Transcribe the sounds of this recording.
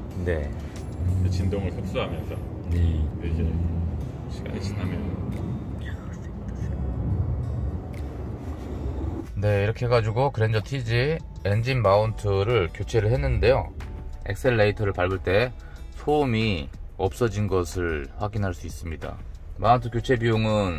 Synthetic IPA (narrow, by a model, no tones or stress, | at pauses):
ne̞̰ | ket͡ɕindoŋɯɭsʰok̚s͈uɦamjʌnsʰʌ | ieɡe | ɕʰiɡa̰ɲiɕʰinamjʌn | seʌseo | ne̞iɾʌkʰeɦeɡad͡ʑuɡokɯɾend͡ʑʌtʰid͡ʑi | end͡ʑinmauntʰɯɾɯɭkjot͡ɕʰe̞ɾɯɭhe̞nːɯnde̞jo̰e̞̰k̚s͈ʰe̞ɭːeitʰʌɾɯɭpaɭbuɭt͈e̞ | sʰomiʌp̚s͈ʌd͡ʑinɡʌsʰɯɭɸwaɡinɦaɭs͈uis͈ɯmɲida̰mauntʰɯkjot͡ɕʰe̞bioŋɯn